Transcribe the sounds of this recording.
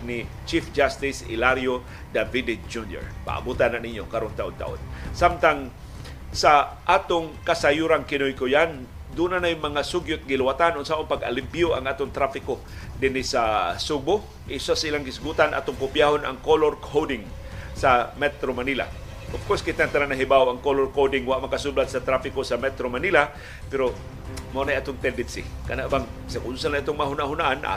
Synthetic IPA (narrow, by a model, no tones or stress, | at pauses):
nɪ | t͡ʃifd͡ʒast̪ɪsɪ̰laɾjo | d̪avid̪ɪd͡ʒunjo̰ɹpa̰ʔa̰but̪ananiɲjokaɾont̪aʔʊnt̪a̰ʔo̰nsamt̪aŋ | saʔaːt̪ʊŋkasajuɾaŋkɪnojkojan | d̪uːnanajʊŋmɐŋasʊɡjʊt̪̚ɡɪlwat̪anonsaʔʊŋpaɡa̰limpjʊʔa̰ŋaːt̪ʊŋt̪ɾafɪko | d̪ɪnɪsasʊbʊ | ʔɪsasaʔilaŋɡɪsɡuːt̪anʔa̰t̪ʊŋkʊpjaɦona̰ŋkoloɾkʰodɪŋ | samɛt̪ɾomanila̰ | ʔʊfkoɾskɪt̪aŋt̪ananaɦibawaŋkolorkowdɪŋwaʔmakasublad̪sat̪ɾafɪkosamɛt̪ɾomanila | pɛɾo | manajʔaːt̪ʊŋt̪ɛdɪd̪sɪ̰kanaʔbaŋsaɡʊnsanaʔat̪ʊŋmaɦʊnaʔɦʊnaʔanʔa̰